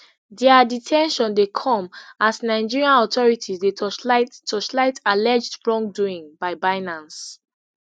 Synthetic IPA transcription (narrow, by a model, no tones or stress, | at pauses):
dɛaditʰɛ̃nʃɔ̃ndekʰɔ̃masnaɪd͡ʒiɹiãnɔtɔɹitʰisdeɔtʰɔslaɪtalɛd͡ʒdbɹɔ̃ŋk̚duĩŋbaɪbaɪnãns